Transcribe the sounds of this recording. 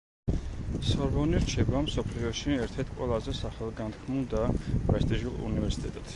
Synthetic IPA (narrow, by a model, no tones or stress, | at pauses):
sɔɾvɔniɾt͡ʃʰɛbamsɔpʰliɔʃiɛɾt̪ʰɛɾt̪ʰqʼwɛlˠazɛsaχɛlˠɡant̪ʰkʰmulˠd̪apʼɾɛst̪ʼiʒulˠṵnivɛɾsi̥t̪ʼɛt̪ʼat̪